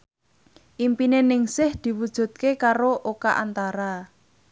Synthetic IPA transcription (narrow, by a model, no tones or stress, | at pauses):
ʔimpinenɪŋsɪhd̪̥i̤wud̥ʒ̥ṳt̪̚kekaɾoʔokaʔant̪aɾa